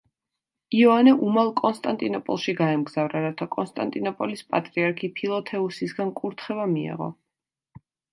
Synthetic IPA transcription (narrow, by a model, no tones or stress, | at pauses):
iɔanɛʔumalˠkʼɔnst̪ʼant̪ʼinɔpʼɔ̰lˠʃiɡaɛmɡzavɾaɾat̪ʰakʼɔnst̪ʼant̪ʼinɔpʼɔlispʼat̪ʼɾiaɾkʰipʰilˠɔt̪ʰɛusisɡankʼuɾt̪ʰχɛvamiɛ̰ʁɔ̰